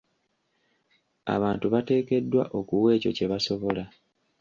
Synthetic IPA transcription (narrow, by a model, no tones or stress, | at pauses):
a̰βaːntuβate̞ːke̞dːwa̰ʔo̞kuwe̞ːco̞̰ce̞βaso̞βo̞la